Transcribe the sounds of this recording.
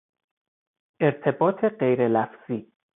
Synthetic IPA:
ʔe̞ɾt̪ʰe̞bɒːt̪ʰe̞ɢe̞jɾelæfz̥iː

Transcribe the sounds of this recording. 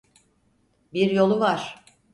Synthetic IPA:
biɾjo̞lˠuvaɾ̥

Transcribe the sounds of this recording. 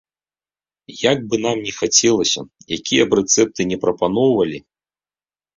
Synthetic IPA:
jaɡ̚bɨnamnʲɛxat͡sʲɛlˠɐsʲɐ̰jakʲijɐbrɛt̪sɛp̚t̪ɨnʲɛpɾɐpanɔwvɐlʲi

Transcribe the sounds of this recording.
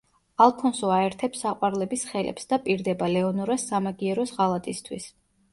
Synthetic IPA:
alˠpʰɔnsɔaɛɾt̪ʰɛpsaqʼwaɾlɛbisχɛlɛ̰psd̪apʼiɾd̪ɛbalɛɔnɔɾasːamaɡiɛɾɔsʁalˠat̪ʼist̪ʰwḭs

